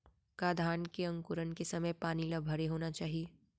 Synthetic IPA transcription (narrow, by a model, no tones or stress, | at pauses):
kaːd̪ʱaːnkeɐ̃ŋkʊɾənkesɐməjpaːnilɐbʱɐɾeɦoːnat͡ʃaːɦie